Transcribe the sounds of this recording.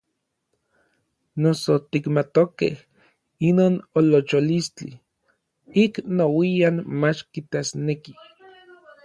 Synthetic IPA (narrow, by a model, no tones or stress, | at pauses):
nosot̪ikmat̪okḛh | inoːnolot͡ʃolist͡ɬḭ | iknowianmat͡ʃkit̪asneki